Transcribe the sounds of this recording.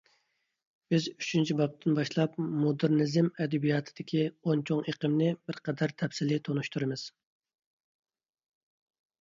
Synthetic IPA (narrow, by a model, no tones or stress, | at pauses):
b̥ɪzyt͡ʃʰint͡ʃʰibɑp̚t̪ʰɨnbɑʃlˠɑpmod̪ɨɾnɪzɪmɛd̪ɛbijɑt̪ʰɨd̪̥ɪkʲʰiont͡ʃʰoŋeqʰəmnɪb̥ɪɾqʰɛd̪æɾt̪ʰɛpsɪlɪt̪ʰonuʃt̪ʰuɾɨmɪz̥